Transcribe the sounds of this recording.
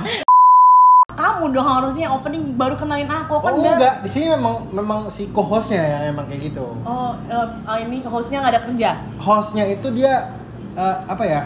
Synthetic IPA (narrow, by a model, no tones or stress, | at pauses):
kamudoŋhaɾusɲaopənɪŋbaɾukənalɪnakuakamuɡaʔdisinimemaŋmemaŋsikoɦɔsɲajaŋmemaŋkajaɡit̪uɔ | ə | əiniɦɔsɲaŋadakərd͡ʒa | hɔsɲait̪udia | əːpaja